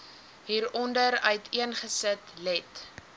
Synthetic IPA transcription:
ɦiːɾɔndəɾœɥtʰiənχəsətlɛt

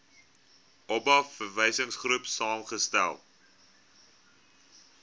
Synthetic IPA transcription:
ʔɔbɐfərvəjsəŋsχrupsɑːmχəstæ̰lˠ

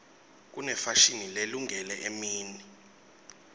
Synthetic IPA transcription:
k̬unɛfaʃinileluŋʱɛlɛʔemiːni

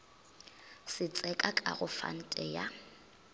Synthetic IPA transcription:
sɪt͡sʼɛkʼakʼa̰ɣʊfa̰n̩tʼɛja

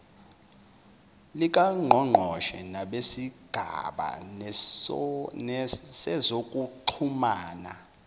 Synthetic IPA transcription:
lik̬ʼaŋ͡ǃʱɔŋ͡ǃʱɔʃɛnaɓesiɡ̥ʱa̰ɓa̰ | sɛzokʼuǃʰumaːna

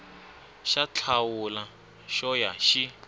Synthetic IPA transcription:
ʃat͡ɬʰawula | ʃɔjaʃi

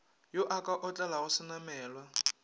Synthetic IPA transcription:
jʊʔakʼaʔʊt͡ɬʼɛlaɣʊsɪnamɛːlwa

